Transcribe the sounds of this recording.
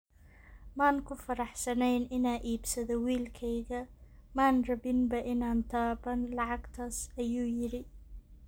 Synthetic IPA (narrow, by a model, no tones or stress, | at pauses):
maːnkʰʊfɐɾɑħsɐnɛjnɪnaːʔiːbsɐðɔwiːlkʰɛjɣɐmaːnrɐβɪnbɐʔɪnaːnt̪ʰaːbɐnlɑʕɑɡt̪ʰaːsɐjuːjɪɽɪ